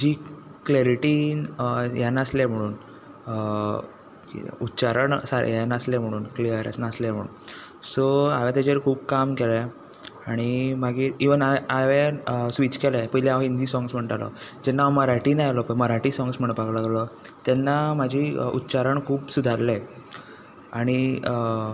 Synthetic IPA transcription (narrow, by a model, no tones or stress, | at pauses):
d͡ʑiːkleɾiʈiːnjanəslɛm̤əɽ̃uːn | ḭutːt͡ɕaɾəɳsaɾ̰janəslɛm̤əɽ̃uːnkliəɾə̰snaəslɛm̤ə̰ɽ̃ṵːn | soaʋɛ̃t̪ad͡ʑəɾkʰuːb̚kamkelɛ | aɽ̃imaɡiːɾiʋənaaʋɛ̃sʋit͡ɕkɛlɛpəɦlɛaʋind̪iːsɔ̃ŋɡsm̤əɳʈalɔ̰d͡ʑɛnːaməɾaʈiːnajalɔpəməɾaʈiːsɔŋɡsm̤əɳpaɡlaɡlɔt̪ɛnːamad͡ʑʱiṵtːt͡ɕaɾəɳkʰuːpsud̪ʱaɾlɛ | aɽ̃i